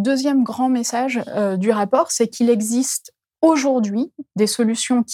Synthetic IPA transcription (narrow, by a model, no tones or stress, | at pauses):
d̪øzjɛmɡʁɑ̃mesaʒød̪yʁapɔʁsɛkʰilɛɡzist̪ | oʒuʁd̪ɥid̪esɔlysjɔ̃kʲ